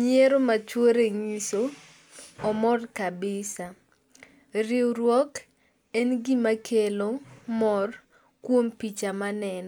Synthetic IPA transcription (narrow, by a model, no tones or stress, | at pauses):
ɲeɾomat͡ʃwoɾeŋiso | ɔmɔrkabɪsa | ɾɪwɾwɔk | ɛnɡimakelomɔr | kwompit͡ʃamanɛnɔ